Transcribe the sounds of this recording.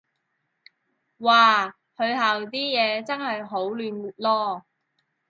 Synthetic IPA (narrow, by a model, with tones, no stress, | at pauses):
waː˨˩ | hɵ˨˧ɥɦaː˨wt̪iː˥jɛː˨˧t͡sɐ˥nhɐ˨jɦo˨˥wlyː˨˧nu˨lɔː˥